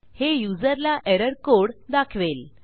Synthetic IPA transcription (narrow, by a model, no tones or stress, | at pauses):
hejud͡zəɾlaʔeɾəɾkoɽd̪akʰʋel